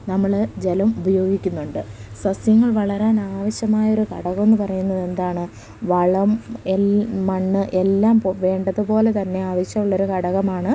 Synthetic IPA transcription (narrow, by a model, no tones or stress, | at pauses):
nɐmːɐɭd͡ʑelɐmubɐjo̞ːɡikʲːunːuɳɖɨsɐsjɐŋːɐɭʋɐɭɐɾaːnaːʋɐɕjɐmaːjɐo̞ɾukɐ̰ɽɐɣɐme̞nːɨpɐrɐjunːɐðe̞nd̪aːɳɨ | ʋɐɭɐmeːɐɳːɨʔe̞lːaːmpʋe̞ːɳɖɐðɨpo̞ːle̞t̪ɐnːe̞aːʋɐɕjɐmuɭːo̞ɾukɐɽɐɣɐmaːɳɨ